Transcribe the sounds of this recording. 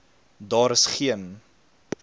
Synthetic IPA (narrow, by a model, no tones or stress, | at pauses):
dɑːɾəsχiən